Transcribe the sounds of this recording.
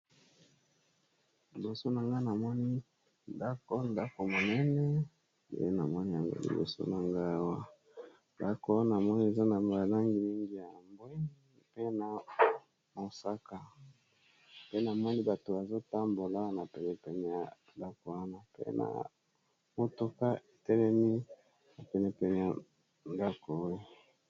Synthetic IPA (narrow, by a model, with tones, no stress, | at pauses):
li˨bo˨so˦na˨ŋɡa˦na˨mɔ˦ni˦ | nda˦ko˦nda˦ko˨mo˨nɛ˦nɛ˦ | jḛ˦e˦na˨mɔ˦ni˦ja˨ŋɡo̰˦lḭ˨bo̰˨so̰˦na˨ŋɡa˦a˦wa˦ | nda˦ko˦na˨mɔ˦ni˦e˨za˦na˨mbja˨la˦ŋɡi˨mi˦ŋɡi˦ja˨mbwe˦ni˦ | pe˦na˨ | mo˨sa˦ka˨ | pe˦na˨mɔ˦ni˦ba˨to˨ba˨zo˦ta˦mbo˨la˦na˨pɛ˨nɛ˨pɛ˨nɛ˨ja˨nda˦ko˨a˦na˨pḛ˦na̰˨ | mo˨to˨ka˦e˨tɛ˦lɛ˦mi˦ | na˨pɛ˨nɛ˨pɛ˨nɛ˨ja˨ | nda˦ko˨o˦je˦